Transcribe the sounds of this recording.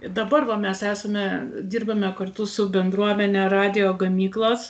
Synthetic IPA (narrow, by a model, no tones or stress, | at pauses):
d̪ɐbɐrʋɐmʲɛsæːsɐmʲɛd̪ʲiːrbɐmʲɛkɐrt̪ʊsʊbʲɛnd̪ɾuɔmʲɛnʲɛɾɑːd̪ʲɪjoːɡɐmʲiːklˠoːs